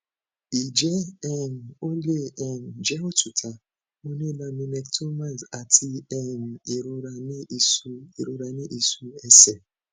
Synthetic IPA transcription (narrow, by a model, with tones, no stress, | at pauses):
i˨d͡ʒe˦ɛ˦˨n̩˨o˦le˦˨ʔɛ˨n̩˨d͡ʒɛ˦o˦tu˨tʰa˨ | mɔ˦ne˦la˦mi˦ne˦ktʰo˦ma˦˨sa˨tʰi˦ɛ˦˨n̩˨e˨ɾo˦ɾa˨nɪ˦i˨su˦i˨ɾo˦ɾa˨nɪ˦ʔi˨su˦e˦sɛ˨